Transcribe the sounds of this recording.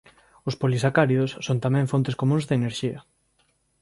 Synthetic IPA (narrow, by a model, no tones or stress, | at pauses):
ʊspolisakaɾiðʊsːont̪amɛ̃ŋfont̪ɪskomũŋzðeneɾʃiɐ